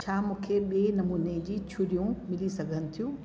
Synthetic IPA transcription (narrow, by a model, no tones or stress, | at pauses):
t͡ɕʰamũːkʰeɓienɐmuːned͡ʑiːt͡ɕʰʊɾijũmɪlisɐɡʱənɪ̆t̪ʰijũː